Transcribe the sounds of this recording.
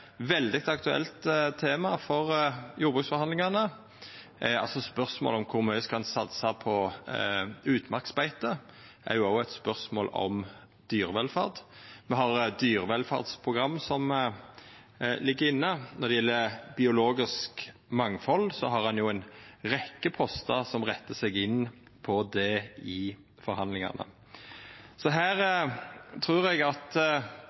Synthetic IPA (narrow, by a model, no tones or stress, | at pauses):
ʋɛld̪ɪt̪ɑkt̪ʉɛ̰lt̪t̪ʰːeːmɑfɔʁjuːbʉksfɔhɑnd̪lɪŋɑnə | ɑ̰lsɔspœʁsmo̰ːlɔmkʰʊɾmœʏskɑnsɑt̪sɑpʰɔ | ʉːt̪mɑʁksbæɪt̪ə | ʔæ̰ɾjʊɑːæt̪spœʁsmo̰ːlɔ̰m | d̪̥yːʁəʋɛlfɑ̰ʁd̪mɛɦɑʁd̪yːʁəʋɛlfɑ̰ʁd̪spʰʁʊɡɾɑmːsɔm | lɪɡːəɾɪnːənɔɾd̪ɛjɛlːəbɪʊloːɡɪskmɑŋfɔlsɔɦɑɾɑnjʊæɪnʁɛkːəpʰɔst̪ɑsɔmʁɛt̪ːəsɛɡɪnː | pʰɔd̪ɛɪ | fɔɾhɑnd̪lɪŋɑ̰nə̰ | sɔɦæːʁ | t̪ʰɾʉːɾɛɡɑt̪